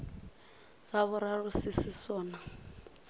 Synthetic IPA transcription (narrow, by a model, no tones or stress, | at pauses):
zaβʊɾarusisisɔːna